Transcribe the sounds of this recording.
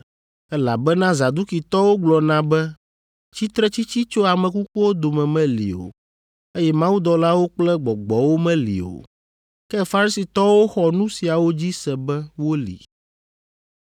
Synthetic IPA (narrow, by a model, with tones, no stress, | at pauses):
ɛ˦la̰˨bɛ˦nã˦za˨d̪u˦ki˨t̪ɔ˦wo˦ɡ͡blɔ˨nã˨˦bɛ˦ | t͡ɕi˦t̪ɾɛ˦t͡ɕi˦t͡ɕi˦t͡ʃo˦a˨mɛ̃˨ku˦k͡pu˦wo˦d̪o˨mɛ̃˨mɛ̃˦lḭ˨o̰˨ | e˦jɛ˦mã˦wu˦d̪ɔ˨la˦wo˦k͡plɛ˦ɡ͡bɔ˨ɡ͡bɔ˨wo˦mɛ̃˦lḭ˨o̰˨ | kɛ˦fa˦ɾi˦si˨t̪ɔ˦wo˦xɔ˨nũ˦si˨a˨wo˦d͡ʑi˦sɛ˨bɛ˦wo˦lḭ˨